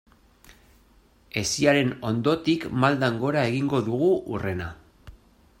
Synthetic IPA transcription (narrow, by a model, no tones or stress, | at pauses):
e̞siaɾe̞no̞nd̪o̞t̪ikmald̪aŋɡo̞ɾae̞ɣiŋɡo̞ðuɣ̞uʔure̞na